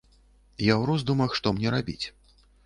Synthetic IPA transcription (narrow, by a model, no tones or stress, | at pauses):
jawɾɔzd̪umɐxʂt̪ɔmnʲɛɾabʲḭt͡sʲ